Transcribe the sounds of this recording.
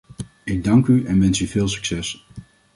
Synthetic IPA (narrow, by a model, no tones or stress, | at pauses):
ɪɡ̚dɑŋkyɛnʋɛnsyvɪːlˠsy̥ksɛs